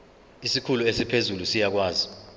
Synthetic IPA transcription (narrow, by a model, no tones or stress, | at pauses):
isikʰuluesipʰezulusijak̬waːzi